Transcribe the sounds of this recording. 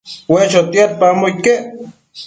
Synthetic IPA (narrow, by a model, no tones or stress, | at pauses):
weʃot̪iat̪̚pamoike